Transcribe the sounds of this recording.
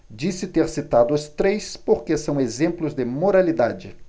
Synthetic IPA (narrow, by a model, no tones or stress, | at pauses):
d͡ʒisɪt̪eɾsit̪ad̪ʊʊst̪ɾejspoɾkesɐ̃w̃ezẽmplʊzd̪ɪmoɾalid̪ad͡ʒɪ